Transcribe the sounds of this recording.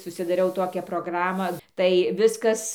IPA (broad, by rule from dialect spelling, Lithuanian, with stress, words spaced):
sʊsʲɪdɐˈrʲɛʊ ˈtoːkʲæː proːˈɡrɑːmɑː tɐɪ ˈʋʲɪskɐs